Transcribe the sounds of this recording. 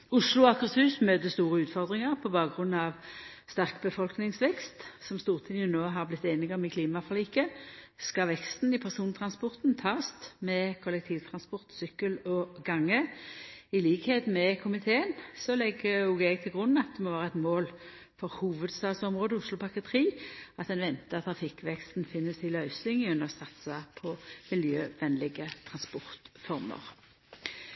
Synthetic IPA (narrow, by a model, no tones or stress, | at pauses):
ʊʂlʊɑkəsʉːsmøːd̪əst̪uːʁəʉːt̪fɔʁd̪ʁɪŋəʁpʰɔbɑːʁʉnːɑʋ | st̪æʁkbəfɔlknɪŋsʋɛkst̪sɔmst̪uːʁt̪ʰɪnjʊnoːɦɑʁblɪt̪ːeːnɪɡəɔmɪkʰliːmɑfɔʁliːkə | skɑʋɛkst̪n̩ɪpʰæʁsuːnt̪ʰʁɑnspɔʁt̪nt̪ʰɑːst̪mɛkʰʊlɛk̚t̪ʰiːʋt̪ʰʁɑnspɔʁt̪sʏkːəlɔɡɑŋːə | ɪliːkheːt̪mɛkʰʊmɪt̪ʰeːənsɔlɛɡəʊɡɛɡ̚t̪ʰɪlɡʁʊnːɑt̪̚d̪ɛmɔʋæːʁəɛt̪moːl | fɔʁhuːʋəd̪st̪ɑːɡ̪sɔmʁoːd̪əʊslʊpʰɑkət̪ʰʁiːɑt̪ɛnʋɛnt̪əɑt̪ʰɾʁɑfɪkːʋɛkst̪n̩fɪnːəsɪlœʏsɪŋʉnəʁɔsɑt̪sɑpʰɔmɪljøːʋɛnlɪɡət̪ʰʁɑnspɔʁt̪fɔʁmə̰ʁ